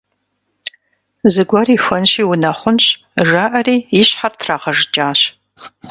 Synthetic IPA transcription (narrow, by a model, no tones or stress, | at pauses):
zɨɡʷɐriːxʷɐnɕiːwʊnɐχʷʊnɕ | ʒaːʔɐriːɪɕħartʰraːʁɐʐt͡ʃʼaːɕ